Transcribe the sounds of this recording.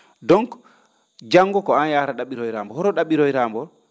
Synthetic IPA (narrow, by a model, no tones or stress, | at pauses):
dɔŋk | d͡ʒaŋɡɔkɔanjaːɾaɗaɓiɾɔjɾambɔhɔɾɔɗaɓiɾɔjɾaːmbɔ